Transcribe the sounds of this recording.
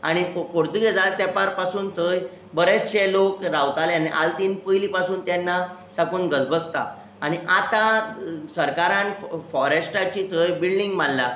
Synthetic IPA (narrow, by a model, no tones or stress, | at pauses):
a̰ɽ̃ipoɾt̪uɡed͡zat̪ɛpaɾpasuːnt̪ʰəj | bəɾeɕelokɾawt̪aleañiʔa̰lt̪iːnpəjlipasuːnt̪jɛnːa | sakuːnɡəd͡zbəst̪a̰ | aɽ̃iʔat̪asəɾkaɾãnfɔɾesʈat͡ɕit̪ʰəjbilɖiŋɡmalːa